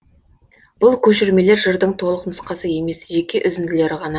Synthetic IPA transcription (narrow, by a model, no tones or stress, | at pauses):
b̥ʊlˠkʲʰɵʃɪɾme̞le̞ɾʒəɾd̪əɴt̪ʰo̞lˠəqməsqɑsəje̞me̞sʒe̞kʲe̞ʔʏzɪnd̪ɪle̞ɾɪʁɑnɑ